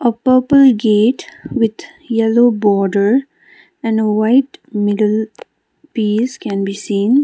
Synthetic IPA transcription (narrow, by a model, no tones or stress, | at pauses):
əpəpəlɡeːʈwɪd̪ | jɛlobɔɖəɾ | ɛ̃nɖəwaɪʈmɪɖəl | piːskɛ̃nbisĩːn